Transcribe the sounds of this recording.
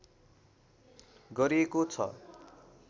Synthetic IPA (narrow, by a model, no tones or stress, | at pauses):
ɡʌɾiekot͡sʰʌ̰